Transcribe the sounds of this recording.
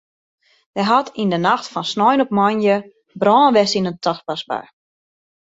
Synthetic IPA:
ʋɛjɦatindənaxtfɔnsnɔjnɔpmɔnjə | brɔːnʋɛsinəntʰɔxpasba̰j

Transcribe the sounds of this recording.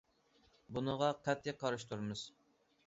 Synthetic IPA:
bunəʁɑqʰɑt̪ʰːiqʰɑɾɨʃt̪ʰuɾmɨz̥

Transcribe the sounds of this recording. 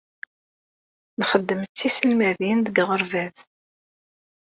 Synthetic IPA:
nχəd̪ːəmət͡s̪ːisəlmæðinðəɡʁəɾˤvæθ

